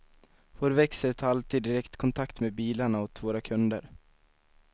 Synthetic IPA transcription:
voːɾvɛksəɾt̪ʰaɾalt̪iːd̪ːɪɾɛkt̪kʰɔnt̪ʰakt̪meːbiːlaɳaɔt̪voːɾakʰɵnd̪əɾ

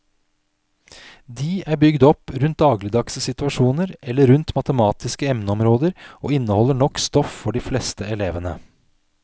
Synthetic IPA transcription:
d̪iːʔæːɾbʏɡd̪ɔpɾʉnt̪̚d̪ɑːɡləd̪ɑkssɪt̪ʉɑʃuːnəɾɛlːəɾʉnt̪mɑt̪əmɑːt̪ɪskəɛmnəɔmɾoːd̪əɾʔo̰ːɪnːəhɔlːəɳɔkst̪ɔffɔɖiːflɛst̪əɛleːʋənə̰

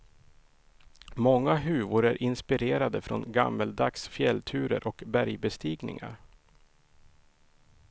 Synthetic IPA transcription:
mɔŋːaɦʉ̟ːvʊɾæɾʔɪnspɪɾeːɾad̪əfɾɔnɡa̰mːəld̪aksfjɛlt̪ʰʉ̟ːɾə̰ɾʔɔkbæɾjbɛst̪iːɡnɪ̰ŋa̰ɾ

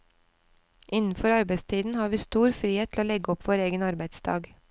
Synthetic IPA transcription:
ʔɪnn̩fɔɾɑɾbæɪst̪ʰiːd̪n̩hɑːʋiːst̪uːɾfɾiːeːt̪ʰl̩oːlɛɡəɔpʰʋoːɾeːɡənɑɾbæɪd̪sd̪ɑ̰ːɡ

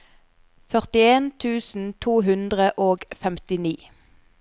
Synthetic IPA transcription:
fœʁt̪ɪeːnt̪ʰʉːsn̩t̪ʰuːɦʉnd̪ʁəʔoːɡfɛmt̪ɪniː

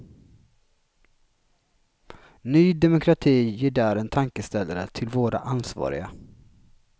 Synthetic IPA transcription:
nyːd̪ɛmʊkʰɾat̪ʰiːjeːɖæːɾɛnt̪ʰaŋkəst̪ɛlːaɾət̪ʰɪlvoːɾa̰ʔansvɑ̰ːɾɪ̰ɡa

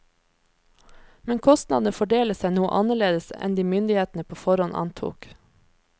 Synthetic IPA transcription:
mɛnkʰɔst̪nɑ̰d̪nəfɔɖeːləsæɪnuːə̰ʔɑnəɭeːd̪əsɛ̰nd̪iːmʏnd̪ɪheːt̪n̩əpʰoːfɔɾɔnʔɑ̰nt̪ʰṵːk

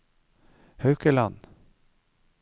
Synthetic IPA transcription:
hœʉkəlɑn

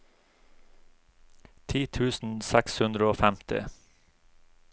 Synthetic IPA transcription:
t̪ʰiːt̪ʰʉːsn̩sækshʉnd̪ɾəoːfæmt̪ɪ̰

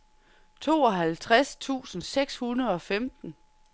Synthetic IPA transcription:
t͡sʰo̝̰ːɒɦælt͡sʰʁast͡sʰṵːsn̩seɡ̥shunɐð̞̩ˠɒ̽femd̥n̩

